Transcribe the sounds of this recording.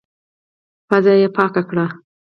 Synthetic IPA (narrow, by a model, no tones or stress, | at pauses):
pazɑjepɑkakɽa